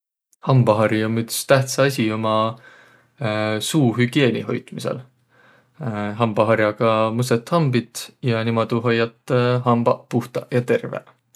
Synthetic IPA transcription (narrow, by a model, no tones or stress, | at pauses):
hɑmbɑɦɑɾiomːyt̪st̪æht̪sɑɑsʲio̞mɑ | suːɦyɡ̥ie̞ːniɦo̞̰jt̪misḛl | ɦɑmbɑɦɑɾjɑɡ̥ɑmuset̪ːˑhɑmbit̪jɑnimɑd̪uɦojːɑt̪ːˑɦɑmb̥ɑpuht̪ɑjɑt̪e̞rvḛl